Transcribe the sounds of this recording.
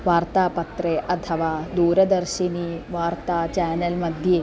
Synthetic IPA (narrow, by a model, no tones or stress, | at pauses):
ʋaːɾt̪aːpɐt̪ɾeːʔɐt̪ʰɐʋaːd̪uːɾɐd̪ɐɾʃiniʋaːɾt̪aːt͡ʃɛːnɐlmɐd̪ʱje